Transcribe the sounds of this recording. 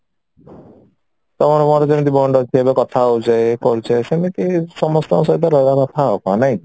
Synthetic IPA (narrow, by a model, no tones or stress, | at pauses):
t̪ɔmɔɾɔmɔɾɔd͡ʒemit̪ibɔɳɖɔt̪ʰiebekɔt̪ʰaud͡ʒaekɔɾut͡ʃʰesemit̪isɔmɔst̪ɔsɔid̪ɔɾɔbakɔt̪ʰaokãnaj̃